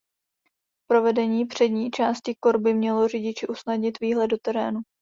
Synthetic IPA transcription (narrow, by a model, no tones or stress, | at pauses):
pɾo̞vɛdɛɲiːpr̝̥ɛdɲiːt͡ʃaːscɪkoɾbɪmɲɛlo̞r̝ɪɟɪt͡ʃɪʔusnadɲɪt̪viːɦlɛdo̞t̪ɛɾɛːnu